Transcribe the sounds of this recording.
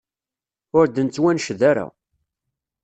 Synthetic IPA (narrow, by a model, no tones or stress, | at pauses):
ʊɾd̪ənt͡sːwænʃðaɾa̰